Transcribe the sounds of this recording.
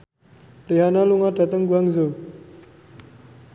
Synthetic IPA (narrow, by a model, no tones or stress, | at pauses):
riɦanaluŋaɖ̥a̤t̪əŋɡuaŋzo